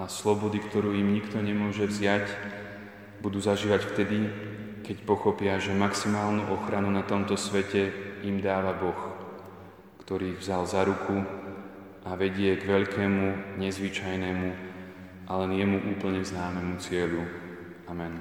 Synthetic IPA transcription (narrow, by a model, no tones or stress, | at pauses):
aslɔbɔd̪ikt̪ɔɾuːjimɲikt̪ɔɲɛmʊɔʒɛvzɪac | bud̪uːzaʒiːʋacft̪ɛd̪i | kɛcpɔxɔpɪaʒɛmaksimaːlnuʔɔxɾanunat̪ɔmt̪ɔsʋɛcɛimd̪aːʋabɔx | kt̪ɔɾiːvzalzaɾukʰu | ʔaʋɛɟɪɛɡʋɛʎkɛːmuɲɛzʋit͡ʃajnɛːmu | ʔalɛnjɛmuʔuːpl̩ɲɛznaːmɛmut͡sɪɛʎu | amɛn